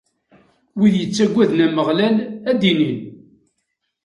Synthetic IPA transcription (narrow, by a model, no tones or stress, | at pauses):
wiðjət͡sːæɡʷːæðnæməʁlælæd̪inin